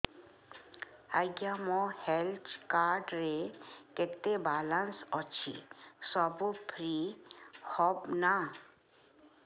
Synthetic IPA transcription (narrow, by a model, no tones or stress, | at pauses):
aɡjamɔhelt͡ʃkaːɾɖɾeket̪ːebaːlansɔt͡ʃʰḭsɔbupʰɾi | hɔbna